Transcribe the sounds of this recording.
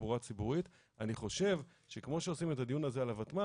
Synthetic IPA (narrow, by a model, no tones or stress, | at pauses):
buʁat͡sibuʁit̪ | aniχo̞ʃe̞v | ʃe̞kmo̞ʃeo̞simetad̪ijunazealavat̪ma